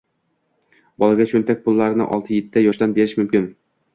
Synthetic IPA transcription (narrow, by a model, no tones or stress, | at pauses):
bɒlˠaɡʲat͡ʃʰɵnt̪ak̚ʲpʰʊlˠːaɾɪnɪ̰ʔɒ̰lˠt̪ʰɨjet̪ʰːɪd̪ajɒʃt̪anbe̞ɾɪʃmʊmkʲɪn